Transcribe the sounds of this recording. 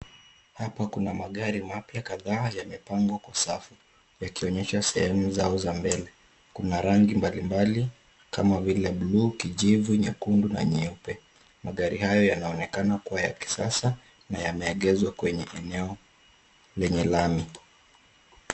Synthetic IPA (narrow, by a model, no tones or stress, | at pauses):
hapakunamaɠaɾimapjakaðaːjamɛpaŋɡwakwasafu | jakiɔɲɛʃasɛhɛmuzaɔzambɛlɛ | kunaɾaŋɡimbalimbali | kamavilɛblukiʄivuɲakunduna̰ɲɛupɛ | maɠaɾihajɔjanaɔnɛkanakuwaja̰ki̥sasa | najamɛːɠɛzwakwɛɲɛʔɛnɛɔ | lɛɲɛlami